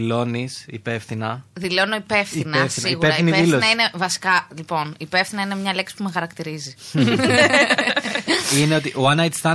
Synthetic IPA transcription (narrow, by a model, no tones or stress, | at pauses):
lo̞nisipe̞fθinɐðilo̞noipe̞fθinɐefθsiɣueɾɐiinieilonɐinevɐsi̥kɐlipo̞niːpefθinɐine̞mɲɐleksi̥pumexɐɾɐkt̪iɾizi | ineot̪iʔoɐnɐjt̪st̪ɐ